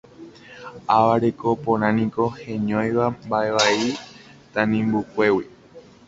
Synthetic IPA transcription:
aʋaɾeko̞põɾ̃ãnĩko̞hẽɲõj̃ʋambae̞ʋai | t̪ãnĩmbukʷe̞wi

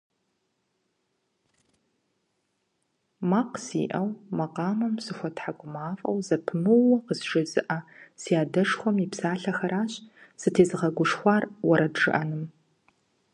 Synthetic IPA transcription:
maqsḭːʔɐwmɐqɑːmɐmsɨxʷɐtħaɡʷʊmaːfʼɐ̰wzɐpʰɨmɨɐqəzʒɨzɨʔɐsijaːdɐʂxʷɔmiːpsaːɬɐxɐɾaːɕsɨtʰeːzɨʁɐɡʷʊʂxʷɑːrwɐɾɐdʐɨ̰ʔɐnɨm

